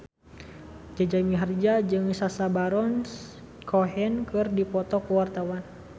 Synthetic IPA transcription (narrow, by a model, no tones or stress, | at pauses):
d͡ʒad͡ʒamiɦərd͡ʒad͡ʒɨŋsasabaɾɔns | kʰɔɦɛnkɨrdipɔt̪ɔkəwart̪awan